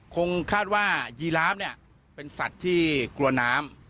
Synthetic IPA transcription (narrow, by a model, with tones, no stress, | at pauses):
kʰo˧ŋkʰaː˥˩t̪̚waː˥˩jiː˧laː˦˥p̚ni˥˩ɐ | pe˧nsa˨˩t̪ʰːiː˥˩klu˧ɐnaː˦˥m